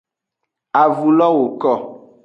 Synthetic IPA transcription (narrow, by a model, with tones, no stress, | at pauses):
a˨vu˨lɔ˦wo˨kɔ˦˨